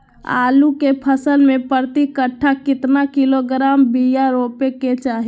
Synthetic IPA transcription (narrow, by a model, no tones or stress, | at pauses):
a̰ːlukepʰəsəlmẽpəɾt̪ikəʈʰːakɪt̪nakɪloɡɾaːmbijaɾoːpeket͡ʃaːɦi